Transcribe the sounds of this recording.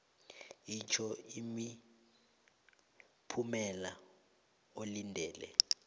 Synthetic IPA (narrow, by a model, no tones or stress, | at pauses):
it͡ʃʰɔimi | pʰumɛla | olindʱɛːlɛ̰